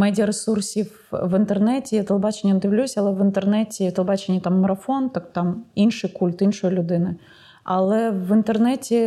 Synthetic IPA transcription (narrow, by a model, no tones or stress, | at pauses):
mɛdʲɪɐɾɨsursʲif | vɨnt̪ɨrnɛtʲɪjat̪ɐlˠbat͡ɕɪnʲjənd̪ɨʋlʲusʲɐlˠɛvɨnt̪ɨrnɛtʲɪjt̪ɐlˠbat͡ɕɪnʲːət̪amːɐɾɐfont̪akt̪aminʂɨjkulʲt̪inʂʊjlʲʊd̪ɪnɨ | ɐ̰lˠɛvɨnt̪ɨrnɛtʲɪ